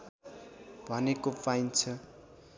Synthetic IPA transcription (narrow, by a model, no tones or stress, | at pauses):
bʱʌnekopajnt͡sʰʌ